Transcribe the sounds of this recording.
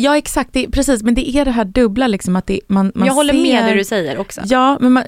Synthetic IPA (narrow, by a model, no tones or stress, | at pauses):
jɑːɛksakt̪̚d̪ɛpʰɾɛsiːsmɛnd̪ɛʔæɖɛɦæːɖɵblalɪksɔmat̪̚d̪ɛmanmanɑːhɔlːəɾmeːdhʉdɵsɛjːəɾɔksɔ̰jɑːmɛnma